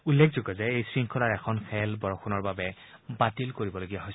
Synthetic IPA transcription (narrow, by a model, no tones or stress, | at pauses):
ulːekʰzoɡɔzɛejsɹiŋkʰɔlaɹɛkʰɔnxʰɛlbɔɹɔxʰunɔɹbabɛ | batilkoɹibɔloɡijaɦojs